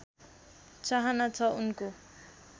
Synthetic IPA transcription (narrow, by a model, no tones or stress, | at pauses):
t͡saɦanat͡sʰʌunko